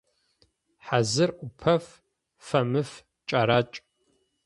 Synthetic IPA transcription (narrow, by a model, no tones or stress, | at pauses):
ħazɨrʔʷʊpʰɐf | fɐmɨf | t͡ʃʼaɾaːt͡ʃʼ